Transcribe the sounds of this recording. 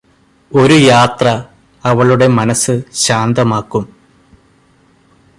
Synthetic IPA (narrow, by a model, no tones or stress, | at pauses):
o̞ɾujaːt̪rɐ | ɐʋɐɭuɽe̞mɐnɐsːɨɕaːnd̪ɐmaːkːum